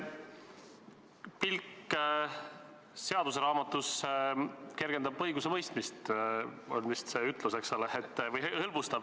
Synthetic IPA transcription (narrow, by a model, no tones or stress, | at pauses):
pilkː | se̞ɑd̪̥us̬eɾɑːmɑt̪ːˑus | ke̞rɡ̥e̞nd̪ɑbɤ̞jɡusevɤ̞jst̪mist̪ | olʲmist̪se̞yt̪ˑluseksɑleet̪ːvɤjhɤlbust̪ɑb̥